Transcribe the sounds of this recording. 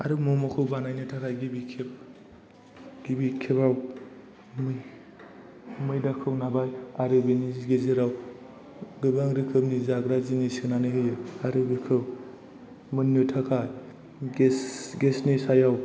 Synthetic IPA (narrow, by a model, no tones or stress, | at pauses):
a̰ɾɯmɔmɔkʰɯwbanajnɯtʰakʰajɡibikʰeb̚ | ɡ̥ibikʰebaw | mɯj | mɯjdakʰɯwnabajaɾɯbeniɡezeɾaw | ɡɯbaŋɾɯkʰɯbnizaɡɾazinisinanɯɦɯjɯaɾɯbikʰɯw | mɯnːɯtʰakʰaj | ɡesɡesnisajaw